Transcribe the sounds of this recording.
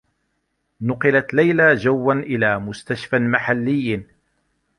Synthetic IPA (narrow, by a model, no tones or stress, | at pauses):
nʊqɪlat̪lajlad͡ʒawːanʔɪlaːmʊst̪aʃfamaħalːɪjːan